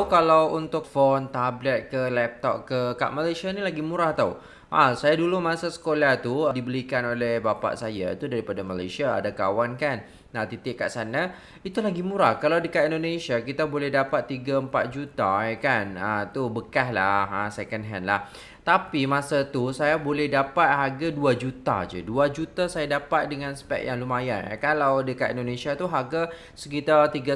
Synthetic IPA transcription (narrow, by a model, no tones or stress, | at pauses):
kalawunt̪ʊk̚font̪ablɛt̪̚kəlɛp̚t̪ɔkkəka̰ʔmalajsanilaɡimũɾaht̪au | ʔasajadulumãsasə̥kolaht̪udibəɾikanolɛhbapa̰ʔsaja̰t̪udaɾipadamala̰jsa̰ːdakawankan | at̪it̪ɪʔkːa̰ʔsana | it̪ulaɡimũɾakalawdəkat̪indonẽsiakit̪abolɛhdapat̪ːiɡaəmpat̪̚d͡ʒut̪akanət̪ubəkaɦlahasekənɦɛnlah | t̪apimãsat̪usajabolɛhdapat̪̚ɦaɡaduad͡ʒut̪a̰d͡ʒə̰duad͡ʒut̪asajadapat̪̚dəŋãnsə̥pɛ̰ʔ̚jaŋlumaja̰kalawdəkat̪ḭndonẽsiat̪uɦaɡa | səkit̪at̪iɡa